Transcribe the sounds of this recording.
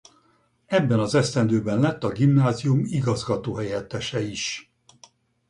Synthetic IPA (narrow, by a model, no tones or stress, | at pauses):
ɛbːɛnɒzɛst̪ɛnd̪øːbɛnlɛt̪ːɒɡimnaːzijumiɡɒzɡɒt̪oːɦɛjɛt̪ːɛʃɛiʃ